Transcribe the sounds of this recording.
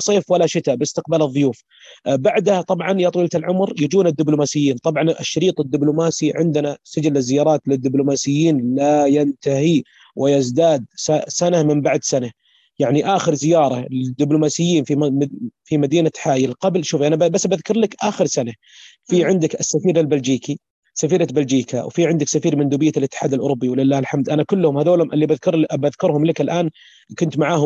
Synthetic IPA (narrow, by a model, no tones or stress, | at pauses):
sˤeːfwalːaʃɪt̪abɪst̪ɪq̚baːlɨðˤːʊjuːf | baʕd̪hat̪ˤɑbʕɑnjat̪ˤwiːlat̪ɪlʕʊmɾjɪd͡ʒuːnad̪ːɪblʊmaːsɪjːiːnt̪ˤɑbʕɑnɪʃːaɾiːt̪ˤɪd̪ːɪblʊmaːsiʕɪnd̪nasad͡ʒalːɪzːɪjːɑːɾˤɑːt̪lɪd̪ːɪblʊmaːsɪjːiːnlajant̪ahi | wʔɪjazd̪aːd̪sasanamɪmbaʕd̪sana | jaʕniʔaːxɪɾzɪjɑːɾˤɑlɪd̪ːɪblʊmaːsɪjːiːnfifimad̪iːnaħaːjɪlqɑblʃuːfʔanabbasːbaðkʊɾˤlakʔaːxɪɾsana | fiʕɪnd̪ɪka̰sːafiːɾɪlbald͡ʒiːki | safiːɾabald͡ʒiːka̰wfiʕɪnd̪ɪksafiːɾmɪnd̪uːbɪjːalʔɪt̪ːɪ̥ħaːd̪alʔʊ̰ɾʊbːiwɪlɪlːaːhlħamd̪ʔanakʊlːhʊmhaðoːlhʊmʔɪlːibaðkʊɾˤbaðkʊɾhʊmlɪkɪlʔaːn | kʊnt̪maʕaːhʊ